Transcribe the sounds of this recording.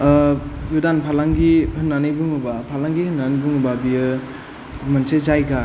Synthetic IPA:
judanpʰalaŋɡihɯnːanɯjbɯŋɯbapʰalaŋɡihɯnːanibuŋɯbabijɯ | mɯnsezajɡa

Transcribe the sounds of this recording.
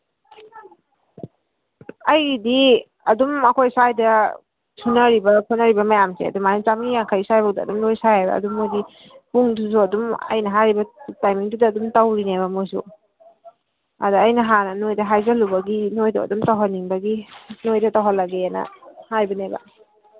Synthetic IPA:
ɐjdi | ɐdumɐkʰojsajdɐ | sʰunɐɾibɐkʰunɐɾibɐmɐjamsḛɐ̰dumajumt͡ʃamɡijaŋkʰaɾisajbawdaɐ̰dumnojsajhajbɐ̰ːdumːojdi | puŋdus̬uɐdumɐ̰jnɐɦaɾibɐtajmiŋdudɐːdumtawɾinebɐmojsṵ | a̰daːjnɐɦanɐnojdɐɦajzɐlubɐɡinojdɔ̰ɐ̰dumtawɦanːiŋbɐɡinojdɐtawɦalaɡeanɐ̰hajbɐnebɐ̰

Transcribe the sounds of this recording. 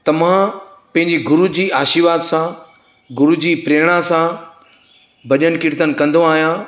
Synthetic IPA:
t̪ɐʋ̤ã | pɐ̃ɦɪ̃ɲd͡ʑiɡʊɾud͡ʑiːaːʃiʋaːd̪sã | ɡʊɾud͡ʑiːpɾeːɽ̃asã | bɐʄənɪ̆kɪɾt̪ənɪ̆kɐ̃nd̪õaːɦijãː

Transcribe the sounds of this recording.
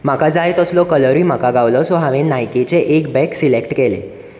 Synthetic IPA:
m̤akad͡zajt̪əslɔkələɾim̤akaɡaʋlɔsɔɦaʋenajket͡seʔekbɛksilekʈkelḛ

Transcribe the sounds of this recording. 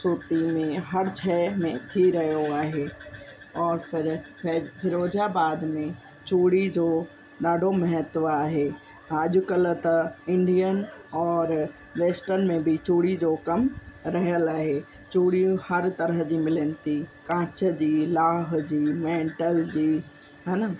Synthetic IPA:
suːt̪imẽɦɐɾt͡ɕʰɛːmẽt̪ʰiɾɐɦjoaːɦe | ɔːɾfɪɾ | fɪɾoːd͡ʑabaːd̪mẽ | t͡ɕuːɽid͡ʑoː | ɗaːɖʱomɐɦət̪ʋaːɦe | əʄʊkələt̪ɐɪ̃ɳɖijənɔːɾ | ʋeːsʈənmẽbʱit͡ɕuːɽid͡ʑokɐmɾɐɦjəlaːɦe | t͡ɕuːɽijũhɐɾt̪ɐɾəɦd͡ʑiːmɪlənɪ̆t̪ikãːt͡ɕəd͡ʑiːlaːɦd͡ʑiːmẽːɳʈəld͡ʑiː | ɦɐnə

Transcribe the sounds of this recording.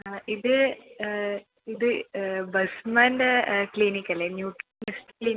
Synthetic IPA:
iðɨ | iðɨbɐsmaːndekliːnikːɐlːenjuːʈːmesʈiklin

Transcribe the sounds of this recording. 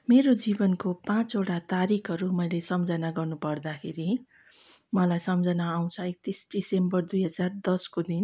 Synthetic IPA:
meɾod͡zibʌnkopãt͡soʈat̪aɾikʰʌɾumʌjlesʌmd͡zʌnaɡʌrnupʌrd̪akʰeɾi | mʌlajsʌmd͡zʌnaːw̃t͡sʰʌek̚t̪isɖisembʌrd̪ujɦʌd͡zard̪ʌskod̪in

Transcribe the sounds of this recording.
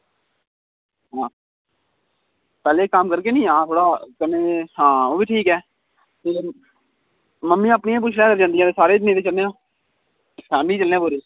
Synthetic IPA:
ɦãː | pɛːleːkaːmkəɾkeːnĩːãːt̪ʰoːɽaːkəneːɦãːoːbiːʈʰiːkɛː | t̪eː | məmːĩːãːəpniãːp̬ʊt͡ʃʰɽɛːkəɾd͡ʒãːnd̪ijãːt̪eːsaːɾeːd͡ʒneːɾeːt͡ʃəlneːõː | sɛːmĩt͡ʃəlnẽːãbʊɾeː

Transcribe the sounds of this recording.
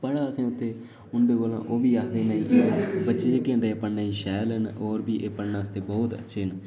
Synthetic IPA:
pəɽaːəsẽːʊt̪ʰːeː | ʊnd̪eːɡoːlã̰ːʔoːbiːaːkʰd̪eːnaĩːʔebətːʃed͡ʒekẽːnd̪eːepəɳnaːiːʃɛːlənoːɾbiːʔeːpəɳnaːst̪eːbɔːt̪ə̰tːʃʰeːən

